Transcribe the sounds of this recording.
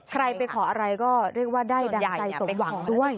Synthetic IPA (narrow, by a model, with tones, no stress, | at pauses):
kʰɾa˧jpa˧jkʰɔː˩˦ʔa˧ɾa˧jkɔː˥˩ɾi˥˩ək̚waː˥˩daː˥˩jda˧a˧jso˨˩˦mwaː˩ɔː˦˩˦du˥˩əj